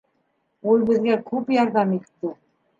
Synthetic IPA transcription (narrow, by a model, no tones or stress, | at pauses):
olˠbɘ̆zɡʲækʰɵpjɑɾd̪ɑmet̪ːɪ